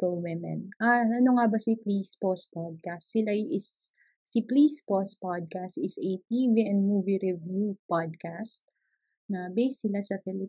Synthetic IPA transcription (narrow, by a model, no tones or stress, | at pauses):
t̪owɛmɛ̰nʔaɐnoŋabɐsiplispospad̪̚kast̪sɪlajʔɪs | siplispos̚pad̪̚kast̪ɪsɛt̪iviɛ̃nd̪̚muviɾɛvjupad̪̚kast̪̚ | nɐbejsːɪlasɐfɛlɪ